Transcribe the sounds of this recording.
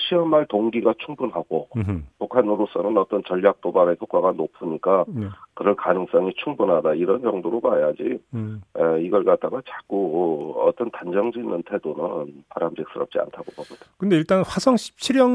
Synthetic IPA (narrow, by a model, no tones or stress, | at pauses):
ɕʰiʌmaɭtoŋɡiɡat͡ɕʰuŋbunɦaɡ̥opukʰanɯɾos͈ʌnɯnʌt͈ʌnt͡ɕʌʎːak̚t͈obaɾekʰok͈aɡanopʰuɲik͈akɯɾʌnkanɯŋs͈ʌŋit͡ɕʰuŋbunɦadaiɾʌnd͡ʑʌŋdoɾomajad͡ʑi | eiɡʌɭkat̚t͈aɡat͡ɕak͈uʌt͈ʌntand͡ʑʌŋd͡ʑinːɯntʰe̞donɯnpaɾamɕik̚s͈ɯɾʌp̚t͡ɕ͈ia̰ntʰaɡobʌɡʌdekɯndeiɭt͈anɸwasʰʌŋɕʰi̥p̚t͡ɕʰiɾjʌŋ